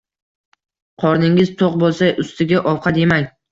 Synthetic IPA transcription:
qʰɒɾnɪŋɪzt̪ʰoq̚bolˠsajʊst̪ɪɡʲaʔɒwqʰɑd̪e̞maŋʲ

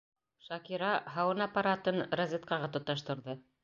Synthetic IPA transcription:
ʃɑkʲiɾɑɦɑwɤnɑpːaɾat̪ɤnrazʲet̪̚kɑʁɑt̪ŏt̪ːɑʃt̪ŏɾðɤ

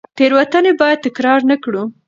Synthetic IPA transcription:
t̪eɾwat̪anebɑjad̪̚t̪ɪkɾɑɾnakɽu

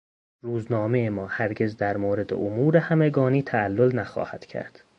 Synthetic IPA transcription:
ɾuːznɒːmeemɒːhæɾɟe̞zd̪æɾmoːɾe̞d̪ḛʔomuːɾehæmeɡɒːniːt̪ʰæælːolnæxɒ̰ːhæ̰d̪̥cʰæ̰ɾd̪̥

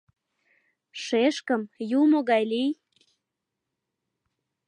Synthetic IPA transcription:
ʃeʃkəmjumoɣɑjlij

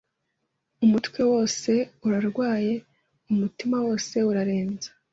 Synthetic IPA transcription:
umutkwe̞wo̞ːse̞uɾaɾɡwaːje̞ | umutimawo̞ːse̞uɾaɾe̞ːnzḁ

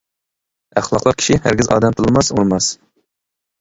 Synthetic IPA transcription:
æχlˠɑqlˠɑqkʲʰi̥ʃihæ̰ɾɡʲizɑ̰ːd̪ɛmt̪ʰɨlˠɨmɑsuɾmɑs

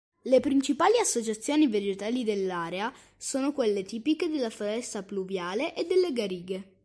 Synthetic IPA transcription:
lepɾint͡ʃipaːliasːot͡ʃat̪sːjoːnived͡ʒet̪aːlid̪elːaːɾea | soːnokwelːet̪iːpiked̪elːafoɾɛst̪apluvjaːleʔed̪ːelːeɡaɾiːɡe

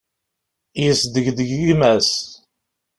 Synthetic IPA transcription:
jəsd̪əʝðəɡimæs

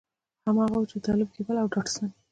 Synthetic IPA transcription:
hamɑɣawut͡ʃet̪ɑlɪb̚kebəlawɖɑʈsan

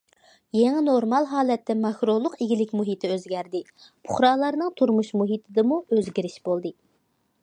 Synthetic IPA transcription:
jeŋɪnoɾmɑlˠɦɑːlˠɛt̪ːɛmɑkɾolˠʊqiɡʲilɪkʲmuɦit̪ʰɪøzɡʲæɾd̪ɪ | pʰʊχɾɑːlˠɑɾnɨŋt̪ʰuɾmuʃmuɦit̪ʰɨd̪ɨmuøzɡʲiɾɪʃb̥olˠd̪ɨ

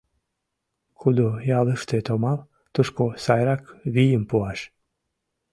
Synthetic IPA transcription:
kʰud̪ujɑləʃt̪et̪omɑl | t̪uʃkosɑjɾɑkβijəmpuɑʃ

